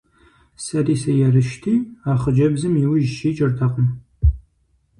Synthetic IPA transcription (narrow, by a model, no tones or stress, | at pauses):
sɐriːsɐjɛrɨʃtʰiːaːχəd͡ʒɐbzɨmjɪwʊʒʃiːt͡ʃʼɐrtʰɐqəm